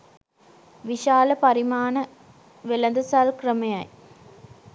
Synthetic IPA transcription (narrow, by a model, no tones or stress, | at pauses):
ʋiʃaːlɐpɐɾimaːnɐ | ʋelɐnd̪ɐsaːlkrəmɐjɐj